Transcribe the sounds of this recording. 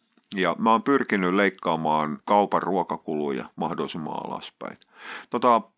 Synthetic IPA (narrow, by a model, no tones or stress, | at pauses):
jɑmæoːmpyrkinːylleikːɑːmɑːnkɑupɑrruokɑkulujɑ̰mɑhdoˑisimɑ̰ːɑ̰lɑ̰spæ̰in | t̪ot̪ɑ